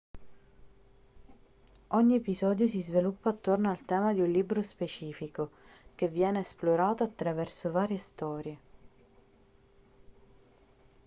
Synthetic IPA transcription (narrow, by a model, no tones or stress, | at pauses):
ɔɲːiepizɔːd̪jos̬izvelupːaːt̪ːornoalt̪ɛːmad̪iunliːbɾospet͡ʃiːfikok̟evːjɛːneːsploɾaːt̪oat̪ːɾavɛrsovaːɾjest̪ɔːɾje